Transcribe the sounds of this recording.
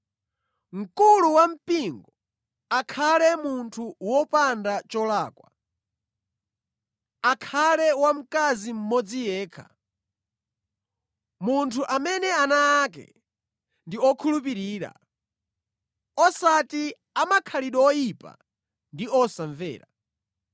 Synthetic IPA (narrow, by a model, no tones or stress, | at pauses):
ŋ̩kuluwam̩piŋɡɔ | akʰalɛmuntʰuwɔpandat͡ʃɔlaːkwa | akʰalɛwam̩kazim̩mɔd͡zijɛːkʰḁ̰ | muntʰuʔamɛnɛanaːkɛ̰ | ndiɔkʰulup̬iɾiːɾa̰ | ɔsati | amakʰaliɗɔjipa̰ | ndiɔsaɱvɛ̰ːɾa